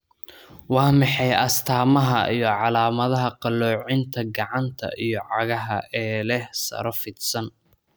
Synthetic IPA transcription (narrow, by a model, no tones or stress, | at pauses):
wɑːmɑħɑjɐst̪ʰaːmɐɦɐ̰ʔijɞʕɑlaːmɐðɐɦɐqɑlɔːʕɪnt̪ʰɐɡɑʕɑnt̪ʰɐ̰ʔijɔʕɑɣɐɦɐ̰ʔɛːlɛhsɐ̰ɾɔfɪd̪sɐn